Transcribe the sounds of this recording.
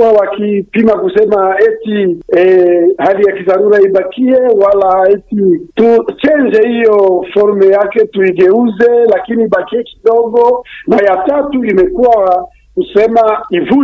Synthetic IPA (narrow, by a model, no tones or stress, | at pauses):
awakipimakusɛmaɛtiɛhalijakizaɾuɾaibakiɛwalaɛtitut͡ʃɛnd͡ʒɛhijɔfɔɾmɛjakɛtuiɡɛuzɛlakiniːbakiɛki̥dɔɡɔnajatatuimɛkuwaa | kusɛmaivu